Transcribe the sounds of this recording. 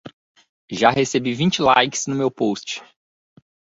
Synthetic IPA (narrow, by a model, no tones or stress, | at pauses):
ʒahesebivĩt͡ʃɪlajkɪ̥snʊmewpost͡ʃɪ̥